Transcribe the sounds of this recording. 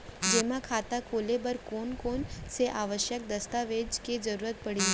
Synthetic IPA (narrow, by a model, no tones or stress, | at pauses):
d͡ʒeːmãkʰaːt̪akoːlebəɾkoːnkoːnseʔaːʋəʃjək̚d̪ɐst̪aʋeːd͡ʒked͡ʒəɾuːɾət̪̚pɐɽi